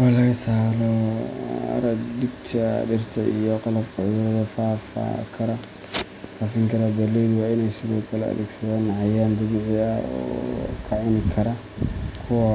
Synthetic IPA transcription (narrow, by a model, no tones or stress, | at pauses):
walɐɣɐsaːlɔ | ɐ̰ɾɐd̪ɪb̚t̪ʰɐɖɪrt̪ʰɐʔḭjɔqɑlɐbkʰʊʕjɔːðɐfaːfa̰kʰɐɾɐ | faːfɪŋkʰɐɾabɐlɛðwaːɪnɛjsɪðɔːkʰɐlɛɐ̰ðɛ̰ːɡsɐðaːnʕɑjaːnd̪ɐβɪʕɪɐɔ̰ːkʰɐʕʊnɪkʰɐɾɐ | kʰʊwɐ